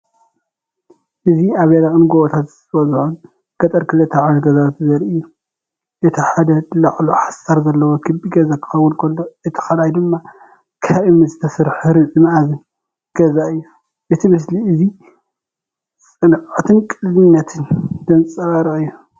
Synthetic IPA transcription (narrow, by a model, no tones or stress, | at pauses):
ʔɨziaβjalaʔʼɨnɡoβɐt̪ʰat̪zɨt̪ʰɐbɐzħun | ɡ̥ɐt̪ʼɐɾkʰɨlɨt̪ʰːɐʕanɡɐzawt̪zɐɾɨjːu | ʔɛt̪ʰiħad̪ɐlɐʕluħasaɾzɐlːɐwokʰɨbiɡɐzakʰɨ̥xɐwʊlkʰɐlːoɨt̪ʰɨ̥xɐlajd̪ɨmːa | kʰaβʔɨmnizɨt̪ʰɐsɨɾħɨɾɨzʼɨmazɨn | ɡ̥ɐzaɨjːu | ʔɨt̪ʰimɨs̬liɨzi | sʼɨnʕɨt̪ʰɨnkʼɨllɨnːɐt̪ʰɨnd̪̥ɐnt͡sʼɐβaɾɐʔɨjːu